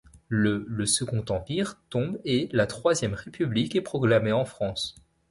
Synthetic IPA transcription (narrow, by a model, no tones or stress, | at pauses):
lələsəɡɔ̃t̪ɑ̃piʁt̪ɔ̃belat̪χwazjɛmʁepyblikɛpχɔɡlameɑ̃fχɑ̃s